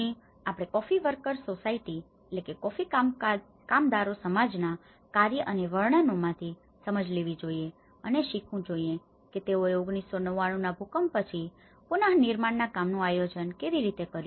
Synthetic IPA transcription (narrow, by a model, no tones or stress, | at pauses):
ĩ | apɽ̃ekɔfiʋəɾkəɾsosaiʈi | etlekekɔfi | kamd̪aɾosəmad͡ʒna | kaɾjəʔəneʋəɭɳənomãt̪ʰi | səməd͡ʒleʋid͡ʒoie | əneʃikʰũd͡ʒoie | ket̪eoeʊɡɳisːonəʋaɽ̃ũnabʱukəmpət͡ʃʰi | pʊnaɦniɾmaɳnakamnũajod͡ʒənkeʋiɾit̪ekəɾju